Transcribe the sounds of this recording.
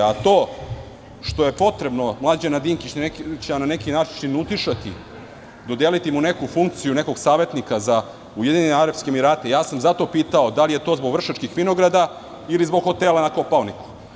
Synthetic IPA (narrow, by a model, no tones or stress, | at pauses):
at̪o̞ː | ʃt̪o̞je̞po̞t̪ɾe̞bno̞mlˠaːd͡ʑenad̪iŋkit͡ɕnekt͡ɕnanekinaːt͡ʃiʃinut̪iʃat̪i | d̪od̪elit̪imune̞kufuŋk̚t̪sijuneko̞ɡsaːʋe̞t̪nikaza | ujed̪iɲeneaɾapskeːmiɾaːt̪e̞jaːsamzat̪o̞piːt̪ao̞d̪alijet̪o̞ːzboɡʋr̩ʃat͡ʃkixʋino̞ɡɾad̪a | ilizboɡxo̞t̪elˠanako̞paoniku̥